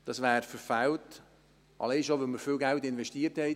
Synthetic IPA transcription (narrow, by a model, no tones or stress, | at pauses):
d̥ɑsʋæːɾfəɾfæwt | ʔɑ̰lɛɪʃoʋɛməɾfɪlɡæltɪnvɛʃtiːəɾthɛɪ